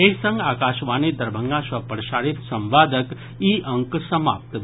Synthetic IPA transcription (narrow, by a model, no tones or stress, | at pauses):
esə̃ŋɡakaʃʋanid̪əɾbʱəŋɡãʃʋəpəɽʃaɽit̪sə̃mʋad̪ək | iʔəŋksəma̰pt̪